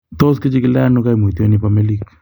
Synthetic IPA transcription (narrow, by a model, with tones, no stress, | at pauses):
t̪o˦skɪ˦t͡ʃɪ˦kɪ˦la˦nʊ˦ka˦i˨mo˨tjo˦ni˦pame˦li˦k